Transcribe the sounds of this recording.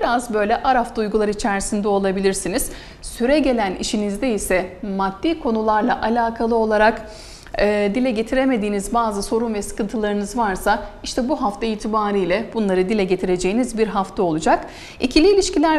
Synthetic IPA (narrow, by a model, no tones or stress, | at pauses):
biɾazbø̞jlʲɛʔaɾaft̪ʰaujɡulˠaɾɯit͡ʃʰæɾsind̪ɛo̞lˠabilʲiɾsiniz̥ | syɾɛɟe̞lʲænḭʃinizd̪ɛisɛmad̪̥ːiːkʰo̞nulˠaɾlˠaʔalʲaːkʰalˠɯo̞lˠaɾak | ɯːd̪ilʲɛɟe̞t̪ʰiɾe̞me̞d̪iːnizbaːzɯso̞ɾunvɛsɯ̥kɯnt̪ʰɯlˠaɾɯnɯzvaɾsaiʃt̪ʰɛbuɦaft̪ʰaiːt̪ʰibaːɾɯjlʲɛbunlˠaɾɯd̪ilʲɛɟe̞t̪ʰiɾe̞d͡ʒe̞jinizbiɾɦaft̪ʰao̞lˠud͡ʒak | icʰilʲiːlʲiʃcilʲæɾ